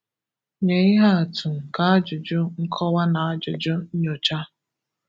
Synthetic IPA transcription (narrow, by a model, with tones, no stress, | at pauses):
ɲe˨ɪ˦ɦa˦a˨tʊ˨ka˨˦a˦d͡ʒʊ˨d͡ʒʊ˦ŋ̩˦kʰɔ˦wa˦na˨a˦d͡ʒʊ˨d͡ʒʊ˦ɲo˨t͡ʃa˦